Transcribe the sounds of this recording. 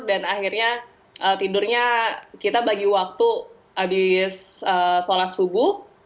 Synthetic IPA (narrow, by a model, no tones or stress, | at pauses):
danaxirɲa | ʔəːt̪idʊrɲakit̪abaɡiwak̚t̪u | ʔabɪsəːsolat̪̚subʊh